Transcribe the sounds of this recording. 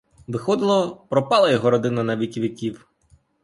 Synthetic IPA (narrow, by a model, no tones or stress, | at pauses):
ʋɪxɔd̪ɪlˠɔpɾɔpɑlˠɐjɔɦɔɾɔd̪ɪnɐnɐʋʲikʲiʋɪkʲiw